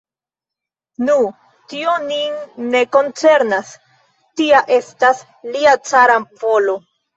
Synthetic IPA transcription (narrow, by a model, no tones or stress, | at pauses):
nu | tioninːe̞ko̞nt͡se̞ɾnas | tiaʔe̞stas | liat͡saɾampo̞lo̞